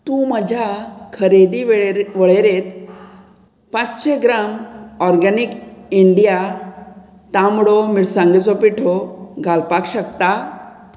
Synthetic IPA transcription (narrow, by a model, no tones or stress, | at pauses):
t̪ũməd͡ʑʱakʰəɾed̪iʋʋəɭeɾet̪ | pãt͡sɕeɡɾamɔɾɡanikiɳɖija | t̪ãmɽomiɽsãŋɡet͡sopiʈʰɔɡʱalpakɕəkt̪a